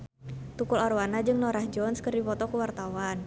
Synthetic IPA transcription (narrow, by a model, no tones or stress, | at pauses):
t̪ukularwanad͡ʒɨŋnɔɾahd͡ʒɔnskərdipɔt̪ɔkəwart̪awan